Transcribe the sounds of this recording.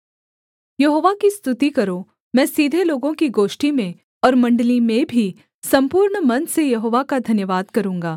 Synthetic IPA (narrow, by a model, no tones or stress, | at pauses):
jɐɦoːʋakist̪ʊt̪ikɐɾo | mɛ̃ːsiːd̪ʱeloːɡõkiɡoːʃʈimẽ | ɔːɾmɐ̃ɳɖəlimẽbʱi | sɐ̃mpuːɾɳmɐ̃nsejɐɦoːʋakad̪ʱɐnjəʋaːd̪kɐɾũːŋɡaː